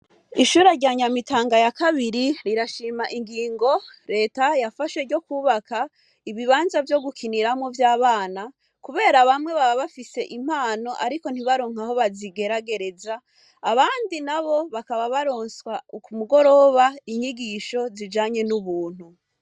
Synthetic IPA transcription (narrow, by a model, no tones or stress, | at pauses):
iʃuːɾeɾɟaɲamitaːŋɡajakaβiɾiɾiɾaʃiːmaʔiŋɡiːŋɡo̞ɾe̞ːtajafaʃeɾɟo̞kuːβaka | iβiβaːnzavjo̞ɡukʰiniɾamŋovjaːβaːna | kuβe̞ːɾaβamŋe̞βaβaβafise̞ʔim̥haːno̞ʔaɾiko̞n̥hiβaɾoːŋ̥aho̞βaziɡe̞ɾaɡe̞ɾe̞zaː | βaːndinaβo̞βakaβaβaɾo̞ːnswaukumuɡo̞ɾo̞βaiɲiɡiʃo̞zid͡ʒaːɲe̞nuβuːn̥hu